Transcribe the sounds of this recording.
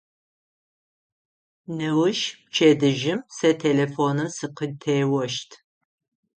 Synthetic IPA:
nɨwʊʃt͡ʃʰedɨʒɪmsɐtʰeːlefoːnɨmsɨqətʰeːwɐʃtʰ

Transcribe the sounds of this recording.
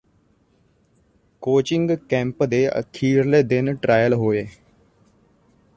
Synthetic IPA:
koːt͡ʃɪŋɡkɛ̃ːmpd̪eːə̰k̪ʰiːɾleːd̪ɪnʈɾaːjəlɦoːeː

